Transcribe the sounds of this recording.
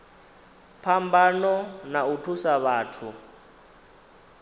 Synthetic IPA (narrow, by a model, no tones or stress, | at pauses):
pʰambanɔnautʰusaβaːtʰu